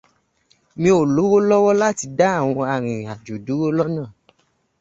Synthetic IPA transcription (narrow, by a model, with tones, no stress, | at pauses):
mĩ˧˦o˨lo˨˦wo˦lɔ˦wɔ˦la˦ti˧da˦a˦˨w̃ɔ̃˧a˧ɾ̃ĩ˨a˨d͡ʒo˨du˨˦wo˦lɔ˦nãː˦˨